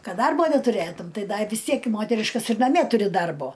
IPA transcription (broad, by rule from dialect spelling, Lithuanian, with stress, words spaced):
ˈkɐt ˈdɐrboː nʲɛtʊˈrʲeːtʊm ˈtɐɪ ˈdɐ ɪ ʋʲɪs ˈtʲiɛk ɪ ˈmoːtʲɛrʲɪʃkɐs ɪr nɐˈmʲiɛ ˈtʊrʲɪ ˈdɐrboː